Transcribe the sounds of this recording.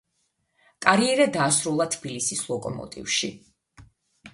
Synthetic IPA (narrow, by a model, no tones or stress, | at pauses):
kʼaɾiɛɾad̪aːsɾulˠat̪ʰbilisislˠɔkʼɔ̰mɔ̰t̪ʼḭvʃḭ